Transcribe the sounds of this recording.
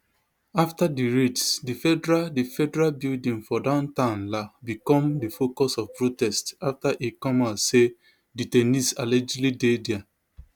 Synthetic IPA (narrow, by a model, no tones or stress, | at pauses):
aftadiɹitsdifɛdɹadifɛdɛɹalbildĩŋfɔdãʊ̃ntãʊ̃nlabikɔ̃mdifokɔsɔvpɹotɛstaftaʔekɔmase | ditɛnisalɛd͡ʒlidedɛa